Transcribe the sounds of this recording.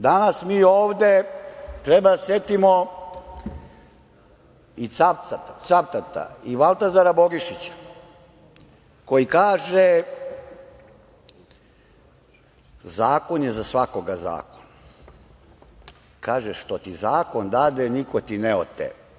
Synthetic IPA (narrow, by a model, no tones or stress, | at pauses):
d̪anasmiːoːʋd̪et̪ɾebad̪asje̞t̪imo | isapat̪asapt̪at̪a̰iʋalˠt̪azaɾabo̞ɡiʃit͡ɕḁ | kojikaːʒe | zaːko̞njezasʋakoɡaza̰ːkon | kʰaːʒeʃt̪o̞t̪izaːko̞nd̪ad̪enikot̪ineo̰t̪ːḛ